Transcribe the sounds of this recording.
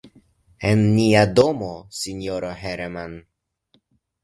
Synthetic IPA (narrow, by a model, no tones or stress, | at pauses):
enːiado̞mosino̞ɾoɦeɾman